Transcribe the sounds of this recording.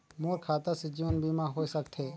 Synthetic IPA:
moːɾkʰaːt̪ased͡ʒiʋənbiːmãɦoːisək̚t̪ʰɦeː

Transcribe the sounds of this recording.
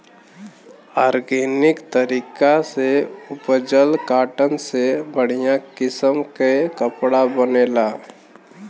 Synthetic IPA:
aːɾɡeːnɪkt̪əɾiːkaseʊpəd͡ʒəlkaːʈənsebəɽ̤ijãkɪsəmkekəpɽabəneːlaː

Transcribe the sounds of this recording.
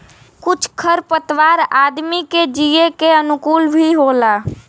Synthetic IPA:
kʊt͡ʃʰkʰəɾpət̪waːɾaːd̪miked͡ʒiekeənʊkuːlbʱiɦoːlaː

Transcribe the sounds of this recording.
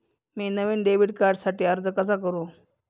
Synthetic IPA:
miːnəʋiːnɖeʋiɽkaɾɖsaʈiːəɾd͡zəkəsakəɾũː

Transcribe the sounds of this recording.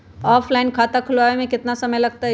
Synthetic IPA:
ɔːfʰlaːɪnkʰaːt̪akʰʊlʋaːʋemẽkɪt̪nasɐməjlɐɡ̚t̪aɦ

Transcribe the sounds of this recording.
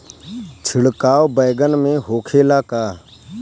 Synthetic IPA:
t͡ʃʰɪɽkaːwbəjɡənmẽːɦoːkʰeːlaːkaː

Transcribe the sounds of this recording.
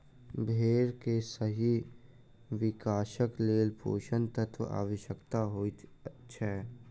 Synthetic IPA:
bʱeːɾkesəɦi | ʋɪkaːʃəkleːlpʰo̰ːʃənt̪ət̪ʰa̰ːʋəʃjəkt̪aɦoi | t͡ʃʰɛ

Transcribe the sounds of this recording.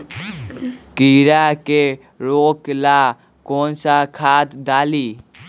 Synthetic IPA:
kiːɾaːkeː | ɾoːklaː | koːnsaːkʰaːt̪d̪aːliː

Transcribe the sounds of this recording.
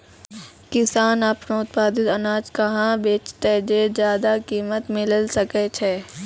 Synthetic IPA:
kɪsaːnapnoʊt̪̚paːd̪ɪt̪ɐnaːd͡ʒkɐɦãbeːt͡ʃt̪ed͡ʒeːd͡ʒjaːd̪akiːmət̪mɪləlsɐket͡ʃʰeː

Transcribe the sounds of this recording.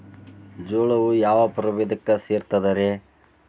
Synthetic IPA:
d͡ʒoːɭɐʋujaːʋɐpɐɾɐʋed̪ɐkːɐseːɾt̪ɐd̪ɐɾe

